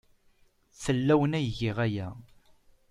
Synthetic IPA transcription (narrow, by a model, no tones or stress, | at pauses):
θəlːæwənæjʝiʁæjæ